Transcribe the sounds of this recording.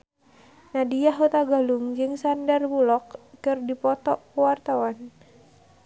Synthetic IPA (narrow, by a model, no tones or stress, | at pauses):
nadiaɦut̪aɡaluŋd͡ʒɨŋsandarbulɔk̚kɨrdipɔt̪ɔkuwart̪awan